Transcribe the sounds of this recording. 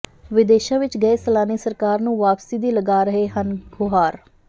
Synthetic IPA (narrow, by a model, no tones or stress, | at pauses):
ʋɪd̪eːʃãːʋɪt͡ʃɡəeːsəlaːniːsəɾkaːɾnũːʋaːpsiːd̪iːləɡaːɾəɦeːɦənɡʊɦaːɾ